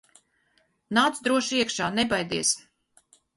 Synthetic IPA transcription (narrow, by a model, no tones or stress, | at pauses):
naːt̪sd̪ɾuɔʃiɛkʃaːnɛbajd̪iɛs